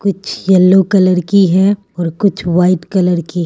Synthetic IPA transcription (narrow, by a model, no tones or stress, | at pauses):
kʊt͡ʃʰjɐlːokɐləɾkiɦɛ | ɔːɾkʊt͡ʃʰʋaːɪʈkɐləɾkiɦ